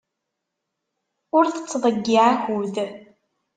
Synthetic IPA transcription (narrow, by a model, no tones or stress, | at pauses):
ʊɾθə̥t͡sːðˤəɡːiʕaxuð